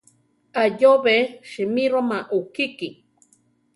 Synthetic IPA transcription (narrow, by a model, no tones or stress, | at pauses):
ajoβeʃimiɾomaʔukiki